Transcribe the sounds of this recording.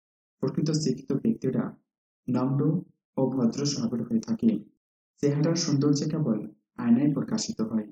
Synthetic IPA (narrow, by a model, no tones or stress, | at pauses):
pɾokɾit̪osikʰːi̥t̪obek̚t̪iɾa̰ | nɔmɖo | obʱɔd̪ɾoʃɔbʱabeɾɦoet̪ʰake | t͡ɕeɦaʈaɾʃund̪oɾd͡ʑekebol | anajpokaʃit̪oɦɔe